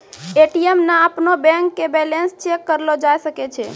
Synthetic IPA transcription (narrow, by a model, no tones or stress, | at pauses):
eʈiemnaːpnobɛ̃ŋkːebɛlenst͡ʃekːəɾlod͡ʒajsəket͡ʃʰḛ